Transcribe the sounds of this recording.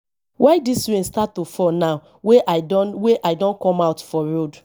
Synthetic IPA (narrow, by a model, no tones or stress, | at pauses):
wʔaɪdisɹẽnstatːofɔnaʊ | weʔweʔaɪdɔ̃nkɔ̃maʊtfɔɹod